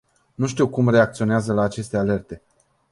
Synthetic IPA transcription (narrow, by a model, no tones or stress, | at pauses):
nuʃt̪iwkumre̞ak̚t̪sio̞neazəlaːt͡ʃe̞st̪e̞ale̞rt̪e̞